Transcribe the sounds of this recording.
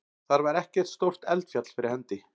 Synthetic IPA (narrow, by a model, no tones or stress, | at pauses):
θaɾvaɾɛhcɛ̥t̪st̪owr̥t̪ɛlt̪fjat̪l̥fɪɾɪɾ̥hɛnt̪ɪ